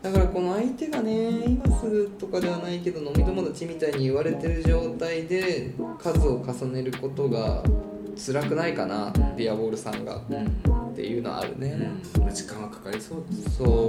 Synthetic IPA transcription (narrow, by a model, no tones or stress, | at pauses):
d̪akaɾako̞no̞ait̪e̞ɡane̞imasɨɾɯ̟t̪o̞kad̪e̞β̞anaike̞d̪o̞no̞mʲid̪o̞mod̪ot͡ɕimʲit̪aiɲ̟iːβaɾe̞t̪e̞ɾɯ̟ʑo̞ːt̪aid̪e̞kʰazɨo̞kasane̞ɾɯ̟ko̞t̪o̞ɡa̰ | t͡sɨɾakɯ̟naikana̰pʲiabo̞ːɾɯ̟sã̰ŋɡa̰t̪ːe̞̰jɯ̟ːno̞̰a̰a̰ɾɯ̟̰ne̞mad͡ʑi̥kãɰ̃ɡakḁkaisoːsoː